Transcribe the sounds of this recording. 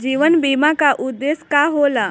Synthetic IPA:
d͡ʒiːʋənbiːmãkaʔʊd̪ːeːskaɦola

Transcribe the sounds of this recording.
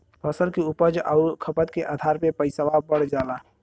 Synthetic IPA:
pʰəsəlkiʊpəd͡ʒaʊkʰəpət̪̚keʔad̪ʱaːɾpẽpəɪsawabəɽ̤d͡ʒaːla

